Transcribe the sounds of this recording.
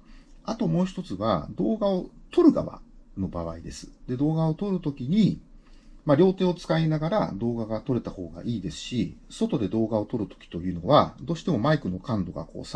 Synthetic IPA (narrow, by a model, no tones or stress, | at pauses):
at̪o̞mo̞ːçi̥t̪o̞t͡sɨβa̰d̪o̞ːɡao̞t̪o̞ɾɯ̟ɡa̰βa̰no̞baβ̞aid̪e̞sɨ̥d̪e̞d̪o̞ːɡao̞t̪o̞ɾɯ̟t̪o̞kʲiɲ̟i | maɾʲo̞ːt̪e̞ːo̞t͡sɨ̥kainaɡaɾa̰d̪o̞ːɡaɡat̪o̞ɾe̞t̪aho̞ːɡa̰ʔiːd̪e̞sɨ̥ɕiso̞t̪o̞d̪e̞d̪o̞ːɡao̞t̪o̞ɾɯ̟t̪o̥kʲi̥t̪o̞jɯ̟ːno̞βad̪o̞ːɕi̥t̪e̞mo̞maikɯ̟no̞kãnd̪o̞ɡa̰ko̰ːs